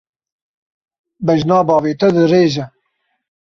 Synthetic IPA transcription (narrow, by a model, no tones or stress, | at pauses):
bɛʒnɑːbɑːveːt̪ɐd̪ɨreːʒɛ